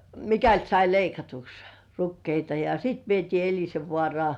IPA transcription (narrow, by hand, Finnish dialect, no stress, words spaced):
mikælt sɑi leikɑtuks rukːeitɑ jɑ sit ʋietiː elʲiseʋːŏɑˑrŏɑˑ